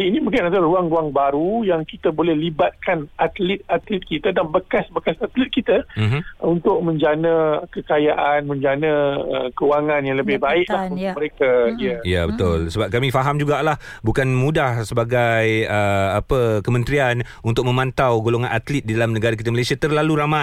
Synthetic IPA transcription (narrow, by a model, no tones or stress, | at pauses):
iinĩmukaat̪aɾuaŋruaŋbaɾujaŋkit̪abolɛhlibat̪̚kanat̪lɪt̪̚at̪lɪt̪̚kit̪adanbəkasbəkasat̪lɪt̪̚kit̪amɦunt̪ʊk̚mə̃ɲd͡ʒanə̃kəkajaʔanmə̃ɲd͡ʒanə̃ə̰kəuwaŋãnjaŋləbɪhbaɪʔlahunʊməɾekaiəjabət̪ʊlsəbap̚kamĩfaɦamd͡ʒuɡaʔlah | bukanmudahsəbaɡajəapəkəmə̃nt̪ɾian | unt̪ʊk̚mə̃mãnt̪awɡoloŋãnʔat̪lɪt̪̚didalamnəɡaɾak̬it̪aməlesiat̪ərlaluɾama